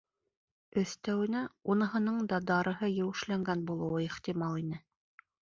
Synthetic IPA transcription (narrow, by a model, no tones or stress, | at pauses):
ɵ̆θt̪æwɘ̆næunɤ̆ɦɤ̆nɤɴd̪ɑd̪ɑɾɤ̆ɦɤjɘ̆wɘ̆ʃlæŋɡænbulˠɤ̆wɤiχt̪imɑlˠinɘ